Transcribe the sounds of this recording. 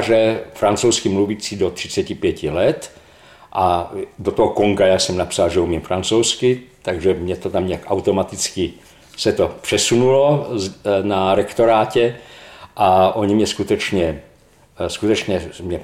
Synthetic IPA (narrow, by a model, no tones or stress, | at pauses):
ʒɛfɾant͡sowskɪmluviːt͡siːdot̪r̝̥ɪt͡sɛcɪpjɛcɪlɛt̪ | ʔadot̪oɦokoŋɡajaːsɛmnapsalʒɛumimfɾant͡sowskɪt̪aɡʒɛmɲɛt̪ot̪amɲakʔawt̪omat̪ɪt͡skɪ | sɛt̪opr̥ɛsunulo | naɾɛkt̪oɾaːcɛʔaʔoɲimɲɛskut̪ɛt͡ʃɲɛ | skut̪ɛt͡ʃɲɛmɲɛ